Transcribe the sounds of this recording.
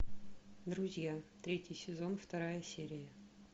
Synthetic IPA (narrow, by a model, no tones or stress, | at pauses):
d̪ɾʊzʲjat̪ɾʲetʲɪjsʲɪzo̞nft̪ɐɾajəsʲeɾʲɪjə